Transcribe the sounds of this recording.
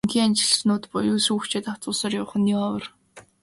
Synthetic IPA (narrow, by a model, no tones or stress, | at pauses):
ŋxiːŋant͡ɕɪ̆ɮsnʊːt̪pʊjʊːsuːxt͡ɕʰeːt̪aw̥t͡sʊːsɔːrjʊwχə̆niɔwə̆r